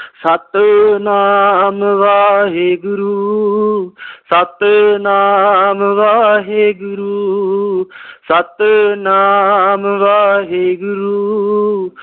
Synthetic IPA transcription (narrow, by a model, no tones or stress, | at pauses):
sɐt̪naːmʋaːɦeɡʊɾuː | sɐt̪naːmʋaːɦeːɡʊɾuː | sət̪naːmʋaːɦeːɡʊɾuː